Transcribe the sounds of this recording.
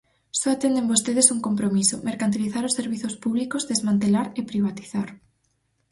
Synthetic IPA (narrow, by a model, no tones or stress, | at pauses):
sɔat̪end̪embost̪eðesuŋkompɾomisomeɾkant̪̬iliθaɾʊsːeɾβiθospuβlikozðezmãnt̪elaɾepɾiβat̪i̥θaɾ